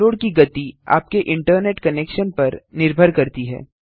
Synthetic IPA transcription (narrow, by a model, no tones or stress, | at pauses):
oːɽkiɡɐt̪ia̰ːp̚keʔɪ̃ɳʈəɾneːʈkɐneːkʃənpɐɾnɪɾbʱəɾkɐɾt̪iɦɛ̰ː